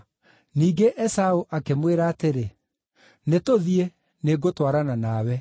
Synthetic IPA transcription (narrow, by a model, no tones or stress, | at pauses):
niːɡeʔɛsaoʔakemweɾaːteɾe | netoðie | neɡotwaɾananawɛ